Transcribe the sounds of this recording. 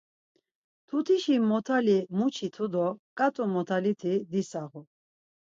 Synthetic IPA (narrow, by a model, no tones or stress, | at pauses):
t̪ʰut̪ʰiʃimɔt̪ʰalimut͡ʃʰit̪ʰud̪ɔkʼat̪ʼumɔt̪ʰalit̪ʰid̪isaɣu